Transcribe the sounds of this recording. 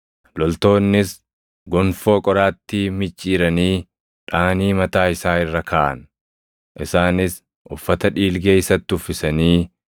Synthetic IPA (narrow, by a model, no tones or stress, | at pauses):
lɔlt̪o̞ːnːɪs | ɡɔnfo̞ːkʼɔɾaːt̪ːimɪt͡ʃʼːiːɾɐniː | ᶑaːniːmɐt̪aːɪsaːɪrːɐkʰaːʔɐ̰n | ʔɪsaːnɪs | ʔʊfːɐt̪ɐᶑiːlɡeːɪsɐt̪ːɪʊfːɪsɐniː